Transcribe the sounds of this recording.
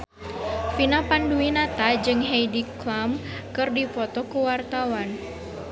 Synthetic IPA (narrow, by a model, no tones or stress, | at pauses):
finapanduinat̪ad͡ʒɨŋɦejdiklam | kɨrdifɔt̪ɔkuwart̪awan